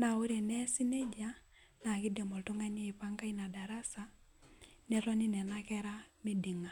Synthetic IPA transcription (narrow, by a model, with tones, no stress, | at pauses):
na˨o˦ɾe˨nɛ˦si˦ne˦d͡ʒa | na˨ki˦de˨mɔ˨lto˦ŋa˦ɲe˦i˨pa˦ŋka˦ina˨da˨ɾa˦sa | nɛ˨ɾɔ˦ni˦nɛ˨nakɛɾami˦di˨ŋa˨